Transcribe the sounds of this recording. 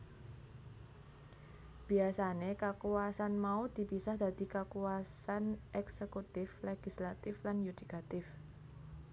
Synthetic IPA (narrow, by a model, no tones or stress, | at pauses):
b̥i̤asanekakuasanmaud̪̥i̤pisahd̪̥a̤d̪̥ikakuasanʔɛksekut̪ɪfleɡ̥islat̪ɪflanjud̪̥ikat̪ɪf